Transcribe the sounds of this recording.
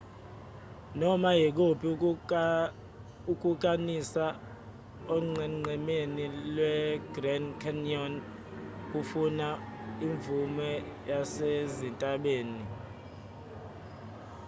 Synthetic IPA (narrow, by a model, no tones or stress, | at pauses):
nɔmajik̬opʰʼi | uk̬ʼuk̬ʼanisa | oŋ͡ǀɛŋ͡ǀɛmenilwɛɡrɛnkʰɛniɔn | k̬ʼufunaiɱb̪vumɛjasezintʼaɓeːni